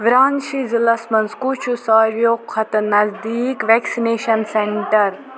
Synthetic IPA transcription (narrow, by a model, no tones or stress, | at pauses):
ʋɾaːnʃizilɐsmɐnzkut͡ʃʰusɐɾjoːkʰːɐt̪nɐzd̪iːkʋeːksineːʃɐnseɳʈɐɾ